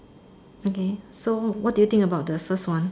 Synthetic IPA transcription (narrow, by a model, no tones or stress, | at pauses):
okesowɔt̚dujut̪ɪ̃ŋkəbaʊt̚dəfəstwãn